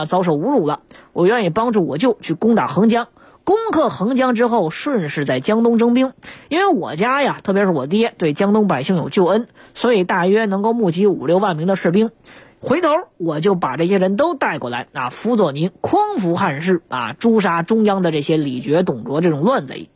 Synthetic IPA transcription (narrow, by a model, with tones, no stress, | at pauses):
t͡sɑ˧˥ʊʂo˨˩ʊu˧˥ɻu˨˩lə˦wɔ˨˩ɥɛ˥˧ni˥˩pɑ˥ŋʈ͡ʂu˥˩wɔ˨˩t͡ɕjo˥˧ʊt͡ɕʰy˥˩kʊ˥ŋt̪a̰˨˩xɤ˧˥ŋt͡ɕjɑ˥ŋ | kʊ˥ŋkʰɤ˥˩xɤ˧˥ŋt͡ɕjɑ˥ŋʈ͡ʂɻ̩˥xo˥˧ʊʂwə˥˧nʂɻ̩˥˧t͡sa˥˩ɪt͡ɕjɑ˥ŋt̪ʊ˥ŋʈ͡ʂɤ˥ŋp̬i˥ŋi˥nwe˥˧ɪwɔ̰˨˩t͡ɕja˥ja˨t̪ʰɤ˥˩jɛ˧˥ʂɻ̩˥˩wɔ˨˩t̪i˧˥˩jɛ˥˧t̪we˥˩ɪt͡ɕjɑ˥ŋt̪ʊ˥ŋpa˨˩ɪɕi˥˩ŋjo˨˩ʊt͡ɕjo˥˩ʊə˥nswɔ˧˥i˨˩t̪a˥˩ɥɛ˥nɤ˧˥ŋko˥˧ʊmu˥˩t͡ɕi˧˥ṵ˨˩ljo˥˧ʊwa˥˩nmi˧˥ŋd̪ə˨˧ʂ̩˥˩p̬i˥ŋ | xwe˧˥ɪt̪ʰo˧˥ʊwɔ˨˩t͡ɕjo˥˩ʊpa˨˩ʈ͡ʂɤ˥˩ɕ̬jɛ˥ɻə˧˥nt̪o˥ʊt̪a˥˧ɪkwɔ˥˩la̰˧˥ɪna˥˩fu˧˥t͡swɔ˥˩ni˧˥nkʰʊ˥ŋfu˧˥xa˥˧nʂɻ̩˥˩a̰˧ʈ͡ʂu˥ʂa˥ʈ͡ʂʊ˥ŋjɑ˥ŋd̪ə˨ʈ͡ʂɤ˥˩ɕjɛ˥li˨˩t͡ɕɥɛ˧˥t̪ʊ˨˩ŋt͡swɔ˧˥ʈ͡ʂɤ˥˩ʈ͡ʂʊ˨˩ŋlwa˥˧nt͡sa̰˧˩ɪ˨